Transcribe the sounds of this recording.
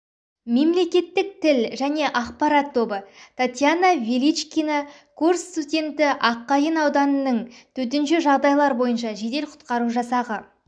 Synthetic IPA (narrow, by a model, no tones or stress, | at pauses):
me̞mle̞kʲe̞t̪ːɪk̚t̪ʰɪlʒæne̞ʔɑqpɑɾɑt̪ʰːo̞bət̪ʰat̪ʲjanavilʲit͡ʃkʲina | kʰurst̪udʲe̞nt̪ɪʔɑqːɑjənɑwd̪ɑnənəɴt̪ʰɵt̪̬ɪnʃɪʒɑʁd̪ɑjlˠɑɾbo̞jənʃ̬ɑʒe̞d̪e̞lqʰʊ̥t̪qɑɾuʒɑsɑʁə